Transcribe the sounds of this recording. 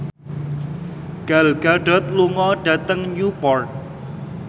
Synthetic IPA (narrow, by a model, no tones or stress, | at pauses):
ɡ̥alɡ̥aɖɔ̤t̪̚luŋɔɖ̥a̤t̪əŋɲupɔrt̪̚